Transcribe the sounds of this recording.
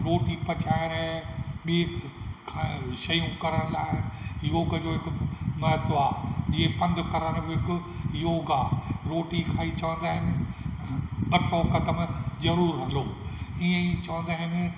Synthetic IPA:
ɾoːʈipɐt͡ɕaːɪɾəɓiː | kʰaʃɐjũkɐɾəɽ̃laːɪjoːɡd͡ʑoːɦɪkʊmɐɦt̪oaːd͡ʑiːẽpɐ̃nd̪ʱkɐɾəɾbɦɪkʊ | joːɡaːɾoːʈikʰaːit͡ɕɐʋə̃nd̪aːɦɪnɪ̆ | ɓɐsɔkɐd̪əmzɐɾuːɾɦɐloːiːẽit͡ɕɐʋə̃nd̪aːɦɪnɪ

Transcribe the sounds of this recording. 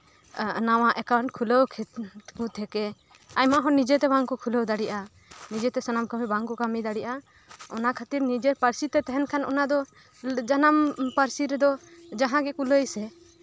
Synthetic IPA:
naw̃aʔɛkawɳʈ̚kʰuləwkʰɛt̪kut̪ʰɛkɛ | ajmaɦɔ̃nid͡ʒɛt̪ɛbaŋkɔkʰuləwd̪aɽiʔa | nid͡ʒɛt̪ɛsanamkamibaŋkɔkamid̪aɽiʔa | ɔnakʰat̪iɾnid͡ʒɛɾpəɾsit̪ɛt̪ɛɦɛnkʰanɔ̰nad̪ɔ | d͡ʒanampəɾsiɾɛd̪ɔd͡ʒaɦãɡɛkuləjsɛ

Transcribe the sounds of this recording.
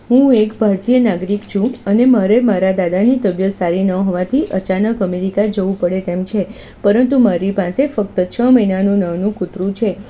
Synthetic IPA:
ɦũekbʱaɾt̪ijənaɡɾikt͡ʃʰũənemaɾemaɾad̪ad̪anit̪əbjət̪saɾinəɦɔʋat̪ʰiʔət͡ʃanəkəmeɾikad͡ʒəʋũpəɽet̪emt͡ʃʰe | pəɾənt̪umaɾipasefək̚t̪ət͡ʃʰəməinanũnəʋnũkut̪ɾũt͡ʃʰe

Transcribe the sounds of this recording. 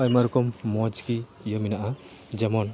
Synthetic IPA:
ajmaɾukɔmːɔd͡ʒkiː | jɔminaʔa | d͡ʒɛmɔn

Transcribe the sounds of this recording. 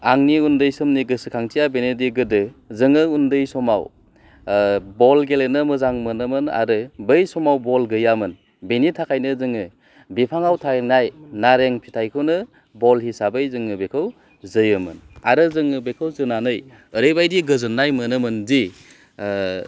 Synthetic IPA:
aŋniundɯjsɯmniɡɯsɯkʰaŋtʰijabenediɡɯdɯzɯŋɯundɯjsɔma̰w | bɔlɡelenɯmɯzaŋmɯnɯmɯna̰ɾɯbɯjsɔmawbɔlɡɯjamɯn | benitʰakʰajnɯzɯŋɯ | bipʰaŋawtʰanajnaɾeŋpʰi̥tʰajkʰɯwnɯ | bɔlɦisabɯjzɯŋɯbekʰɯw | zɯjɯmɯ̰na̰ɾɯzɯŋɯbekʰɯwzɯnanɯj | əɾɯjbajdiɡɯzɯnːajmɯnɯmɯnzi

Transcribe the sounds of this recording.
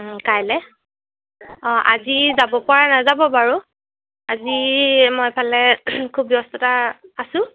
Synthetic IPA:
kajlɛ | ɔ̃ʔazizabɔpaɹanazabɔbaɹu | azimɔjpʰalɛkʰubjɔstɔtaːsʊ̃

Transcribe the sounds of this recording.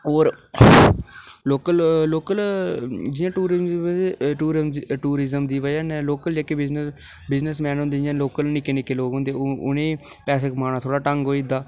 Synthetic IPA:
oːɾ | loːkəlloːkəld͡ʒɪjãːʈuːɾɪzmieʈuːɾmʈuːɾɪzəmd̪iːʋəd͡ʒãːneːloːkəld͡ʒeːkeːbɪznə | bɪznəsmɛ̃ːnɦʊ̃nd̪eːd͡ʒɪjãːloːkəlnɪkenɪkeːloːɡɦõːnd̪eːʊ̰nẽːpɛːseːkmaːnaːt̪ʰoːɽaːʈəŋɡɦoːid̪aː

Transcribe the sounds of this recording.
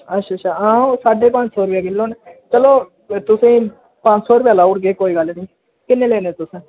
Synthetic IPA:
ətːʃaːt͡ʃʰːaːãːsaːɖeːpãːɲt͡ʃsɔːɾʊpjaːkɪlːõːnet͡ʃəloː | t̪ʊsẽː | pãːɲt͡ʃsɔːɾʊpjaːlaːʊɽɡeːkoːiːɡəlnĩː | kɪnːeːleːnẽːt̪ʊsẽː

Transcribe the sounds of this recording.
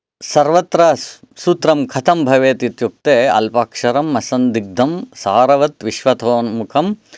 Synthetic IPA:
sɐɾʋɐt̪ɾɐ | suːt̪ɾɐmkʰɐt̪ʰɐmbʱɐʋeːt̪it̪juk̚t̪eːɐ̰lpaːkʂɐɾɐmːɐsɐnd̪iɡ̚d̪ʱɐmsaːɾɐʋɐt̪ʋiʃʋɐt̪oːnmukʰɐm

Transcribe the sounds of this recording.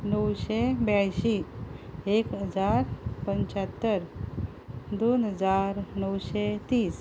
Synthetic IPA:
nəwɕebjajɕi | ekɦəd͡zaɾpəɲt͡ɕat̪ːəɾ | d̪onɦəd͡zaɾnəwɕet̪iːs

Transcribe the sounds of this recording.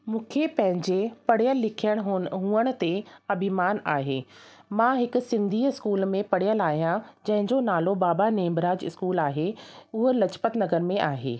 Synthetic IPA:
mũːkʰepɐ̃ɦɪ̃ɲd͡ʑepɐɽijəlːɪkʰijəɽ̃ɦɦũːəɽ̃ʊ̆t̪eɐbʱɪmaːnaːɦeːmãɦɪkʊ̆sɪ̃nd̪ʱiɪskuːlmẽpɐɽijəlaːɦijãd͡ʑɐ̃ɦɪ̃ɲd͡ʑonaːlobaːbaneːmbɾaːd͡ʑɪ̰skuːlaːɦeʊɦəlɐt͡ɕpət̪nɐɡəɾmẽʔaːɦḛː

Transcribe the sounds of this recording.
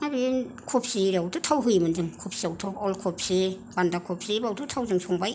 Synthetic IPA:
abi | kʰup̚siɾawtʰutʰawɦɯjmɯnzɯŋkʰupsiawtʰowɔlkʰup̚si | bandakʰup̚sibawtʰutʰawzɯŋsʰɔŋbaj

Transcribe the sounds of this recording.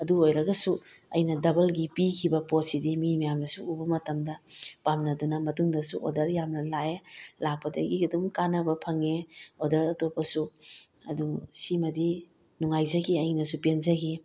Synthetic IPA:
ɐduojɾɐɡɐsuɐ̰jnɐdɐbɐlɡipikʰibɐpot̚sidimimɐjamnɐsuːbɐmɐtɐmdɐpamnɐdunɐmɐtuŋdɐsṵʔo̰dɐɾjamnɐlaelak̚pːɐdɐ̰ɡiɡɐdumkanɐbɐpʰɐŋeodɐɾɐtopːɐsu | ɐdusimɐdi | nuŋajzɐɡiɐjnɐsupenzɐɡi

